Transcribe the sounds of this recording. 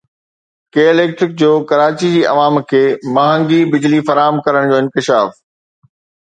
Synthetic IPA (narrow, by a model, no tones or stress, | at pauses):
keːɪleːk̚ʈɾɪk̚d͡ʑoːkɐɾaːt͡ɕid͡ʑiːʔɐ̰ʋaːmkʰeːmãːɦə̃ːŋɡibɪd͡ʑlifɐɾaːɦəmkɐɾəɽ̃d͡ʑoːɪ̃nkɪʃaːf